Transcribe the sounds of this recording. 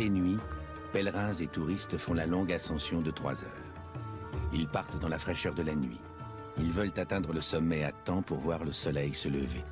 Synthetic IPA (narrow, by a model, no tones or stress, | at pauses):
enɥi | pɛlʁɛ̃zet̪uʁist̪fɔ̃lalɔ̃ɡasɑ̃sjɔ̃d̪ət̪χwa̰zœ̰ːʁ | ilpaʁt̪d̪ɑ̃lafχɛʃœʁd̪əlanɥḭ | ilvœlt̪at̪ɛ̃d̪ʁələsɔmːɛat̪ɑ̃puʁvwaʁləsɔlɛjsələvḛ